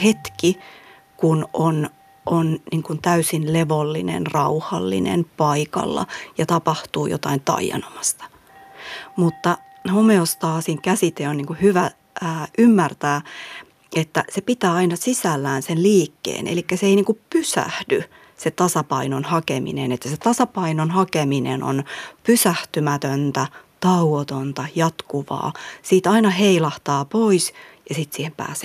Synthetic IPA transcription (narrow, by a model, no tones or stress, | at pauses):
het̪ki | kunon | ʔonniːŋkunt̪æysinleʋolːinḛnrɑuhɑ̰lːḭnḛnpɑikɑ̰lːɑ̰jɑt̪ɑpɑht̪uːjo̰t̪ɑint̪ɑ̰ijɑ̰nomɑst̪ɑ̥ | mut̪ːɑ | homeost̪ɑːsiŋkæsit̪eonniːŋkuhyʋæ | əːʔymːært̪æː | et̪ːæsepit̪æːɑinɑsisælːæːnsenliːkːḛːnʔḛlikːæseeiniːŋkuppysæ̰hdy | set̪ɑsɑpɑinonhɑkemḭnenet̪ːæset̪ɑsɑpɑinonhɑkeminḛno̰npysæht̪ymæt̪ønt̪æt̪ɑuot̪ont̪ɑjɑt̪kuʋɑ̰ːsiːt̪ɑinɑɦeilɑht̪ɑːpoisjɑsit̪siːhempæ̰ːse